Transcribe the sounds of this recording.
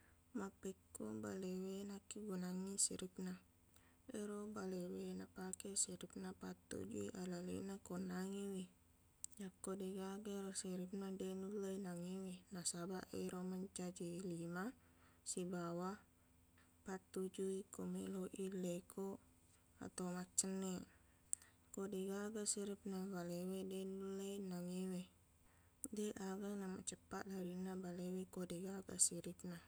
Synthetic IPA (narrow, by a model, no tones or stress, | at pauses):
mapɛkːoba̰lewenakiɡunaŋːisḭɾip̚na | eɾobalewenapakesiɾip̚napat̪ːṵd͡ʒṵḭʔalalḛnakonaŋiwi | jakːodeɡaɡeɾosiɾip̚nadenulːəinaŋiwinasabaʔeɾomaɲt͡ʃad͡ʒilima | sibawa | pat̪ːud͡ʒuikomeloʔilekʰo | a̰t̪awmat͡ʃːənːe | kodeɡaɡasiɾip̚nabalewedenuləinaŋewe | deʔaɡanama̰ʔt͡ʃəpːat̪̚daɾinabalewekodeɡaɡa̰siɾip̚na